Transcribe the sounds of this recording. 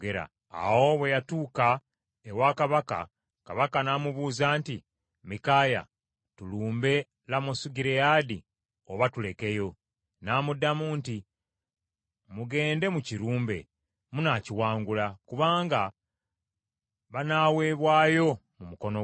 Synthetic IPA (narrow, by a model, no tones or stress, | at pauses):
ɡeɾa̰ː | wo̞βwe̞jatuːka | ewakaβaka̰ | kaβakanamuβuːzaːnti | mikaja̰ | tuluːmbe̞ | lamosuɟiɾejadi | oβatule̞ke̞jo̞ | naːmudːamuːnti | muɡe̞ːnde̞muciɾuːmbe̞̰ | munaciwaːŋɡulakuβaːŋɡa | βanaːwe̞ːβwaːjo̞ | mumuko̞no